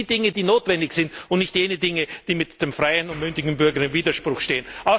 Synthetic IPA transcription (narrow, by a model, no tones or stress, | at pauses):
iːdɪŋədiːnoːtv̥ɛndɪçz̥ɪntʊntnɪçtjeːnədɪŋəd̥iːmɪtd̥eːmfʁ̥aɪənʊntmʏndɪɡŋ̩bʏɐɡəɐɪmviːdɐʃpʁ̥ʊxʃteːənʔaʊ